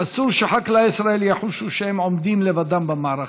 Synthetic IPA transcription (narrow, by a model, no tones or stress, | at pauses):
asuɾʃaħaklaisɾaeljaħuʃuʃehemʕomd̪imlevad̪ambamaʕɾa